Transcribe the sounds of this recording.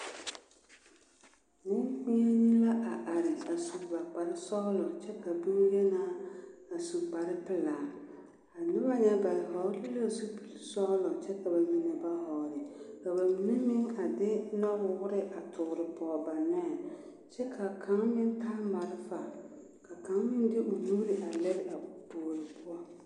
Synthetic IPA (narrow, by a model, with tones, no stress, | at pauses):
mʊ̃˦kĩ˦a˦ɲĩ˦la˦ʔa˨ʔa˨ɾɪ˨a˨su˨ba˨k͡pa˨ɾɪ˦sɔ˦lɔ˨t͡ʃʰɛ˦kʰa˨bi˦wje˦nã˨˦a˨su˨k͡pa˨ɾɪ˦pʰɪ˨laː˨ | a˨nʊ̃˦ba˦ɲã˨ba˨ɾɪ˨hɔ˨˦li˦la˦˨su˦pʰi˨lsɔ˦lɔ˨t͡ʃʰɛ˦kʰa˨ba˨mĩ˨nɪ̃˨ba˦hɔ˨ɾɪ˨ka˨ba˨mĩ˨ne˦mɪ̃˦ŋa˨dɪ˦nɔ˦bʊ˨wʊ˦ɾɪ˦ʔa˨tʰʊ˨ɾɪ˨pʊ˦ɔ˨ba˨nɛː˦˨ | t͡ʃʰɛ˦kʰa˨kʰã˨˦ŋmɪ̃˦n˦tʰa˦ma˨ɾɪ˦fa˨ | kʰa˨kã˨˦ŋmɪ̃˦n˦dɪ˦ʔʊ˨ju˦ɾɪ˨ʔa˨lɛ˦ɾɪ˦a˨boː˨ɾɪ˨pʰʊ˦ɔ˦